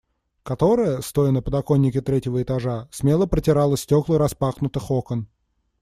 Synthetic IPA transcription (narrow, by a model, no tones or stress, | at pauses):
kɐt̪o̞ɾəjəst̪o̞jɪnəpəd̪ɐko̞nʲːɪkʲɪt̪ɾʲetʲɪvəɪt̪ɐʐasmʲelˠəpɾətʲɪɾalˠəsʲtʲoklˠəɾɐspaxnʊt̪ɨxokən